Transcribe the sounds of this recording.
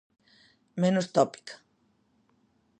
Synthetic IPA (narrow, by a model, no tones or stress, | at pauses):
mẽnost̪ɔpi̥kḁ